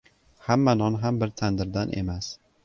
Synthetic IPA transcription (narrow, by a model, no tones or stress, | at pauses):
hamːanɒnɦambɪɾt̪ʰand̪ɪɾd̪anʔḛmas